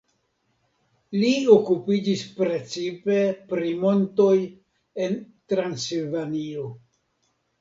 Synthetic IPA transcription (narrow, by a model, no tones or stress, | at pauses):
lio̞kupid͡ʒispɾe̞t͡sipe̞pɾimo̞nto̞j | e̞ntɾansilvanio̞